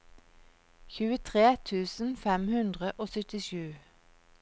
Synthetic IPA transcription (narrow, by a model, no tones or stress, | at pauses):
çʉːət̪ʰʁeːt̪ʰʉːsn̩fɛmhʉnd̪ʁəʔoːsœt̪ɪʃʉː